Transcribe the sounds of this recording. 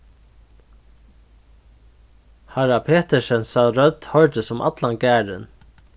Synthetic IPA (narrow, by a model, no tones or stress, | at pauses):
haɹapʰeːt̪ɛʃɛnsalɾœd̪hœɹd̪əsɔmʔa̰t̪lanɡæːɾɪ̰n